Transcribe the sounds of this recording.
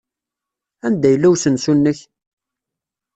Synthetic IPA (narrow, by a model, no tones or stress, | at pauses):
ænd̪æjəlːæwsənsunːəç